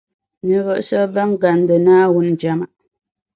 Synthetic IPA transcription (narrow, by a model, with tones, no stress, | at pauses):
nə˨və˨ʔsɔ˦bə˦ŋ˦ɡa˨n˦də˨naː˦wu˦n˨d͡ʒa˨ma˦ʔ